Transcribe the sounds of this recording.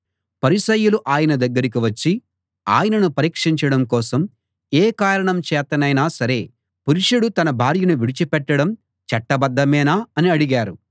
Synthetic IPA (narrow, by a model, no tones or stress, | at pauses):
pɐɾiʃɐjuluʔaːjɐnɐd̪ɐɡːɐɾik̬iʋɐt͡ʃːi | a̰ːjɐnɐnupɐɾiːkʂiɲt͡ʃɐɽɐmkɔːsɐm | eːkaːɾɐɳɐmt͡ʃɛːt̪ɐnɐjnaːsɐɾe̞ː | puɾiʂuɽut̪ɐnɐbʱaːɾjɐnuʋiɽit͡ʃipɛʈːɐɽɐm | t͡ʃɐʈːɐbɐd̪ːɐmɛːnaːɐniɐɽiɡaːɾu